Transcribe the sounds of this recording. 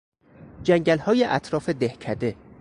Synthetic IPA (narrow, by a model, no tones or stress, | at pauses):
d͡ʒæŋɟælhɒːjeʔæt̪ʰɾɒːfed̪ehcʰæd̪e̞